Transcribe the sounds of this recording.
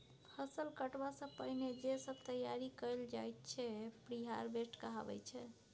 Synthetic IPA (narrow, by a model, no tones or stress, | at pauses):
həsəlkəʈbasə̃pəɦined͡ʒesəb̚t̪əjaɾikəjld͡ʒajt̪̚t͡ʃʰɛpɾiɦaɾbesʈkəɦa̰bɛ̰jt͡ʃʰɛ